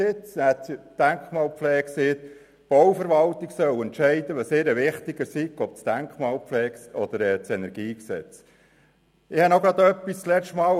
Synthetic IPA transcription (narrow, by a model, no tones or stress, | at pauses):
ɪt͡sæd̪̥æŋkχmɑːlpflɛːseːt | b̥ɔwfəɾʋɑlt̪iksœwɛnt̪ʃɛɪd̪əʋɑseːɾəʋɪχt̪iɡ̥əɾsikɔp̚t͡sd̪̥æŋkχmɑːlpflɛːkɔd̪əɾɛːt͡sɛnɛɾɡ̥iːksɛt͡s | ɪhɑnoɡɾɑd̪œpːist͡slɛt͡ʃtmɑː